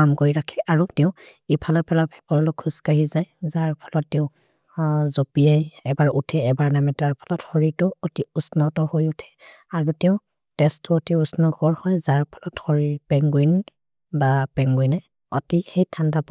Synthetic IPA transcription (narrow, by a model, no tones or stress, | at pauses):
amkojɹakʰɛʔaɹutɛʊ̃ | ipʰalɔpɛlabʱɛ̥pɔɹɔlɔkʰuskaɦizajzaɹpʰɔ̥lɔtːɛʊ̃ | zopiajɛbaɹutʰɛɛbaɹnamɛtaɹpʰɔ̥lɔthɔɹitʊotiusnɔtɔhojutʰɛ̥ | aɹutɛ̃ʊ̃ | tɛstɔotiusnɔɡɔɹhɔjzaɹpʰɔ̥lɔthɔɹipɛŋɡujn | bapɛŋɡujnɛ | ɔtixejtʰandap